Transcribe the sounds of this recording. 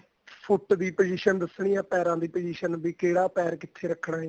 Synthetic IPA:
pʰʊʈd̪iːpəd͡ʒiːʃənd̪əsɳ̃iːãːpɛːɾãːd̪iːpəd͡ʒiːʃənbiːkeːɽaːpɛːɾkɪt̪ʰːeːɾəkʰːɽaː

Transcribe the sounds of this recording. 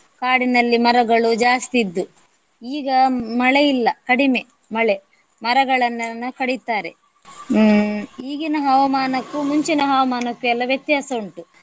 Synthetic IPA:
kaːɽinɐlːimɐɾɐɡɐɭud͡ʒaːst̪id̪ːu | iːɡɐmɐɭejilːɐkɐɽime̞ | mɐɭe | mɐɾɐɡɐɭɐnːɐnːɐkɐɽit̪aːɾe̞̰ | iːɡinɐɦɐʋɐmaːnɐkːumuɲt͡ʃinɐɦɐʋɐmaːnɐkːuɛlːɐʋjɐt̪jaːsoɳʈu

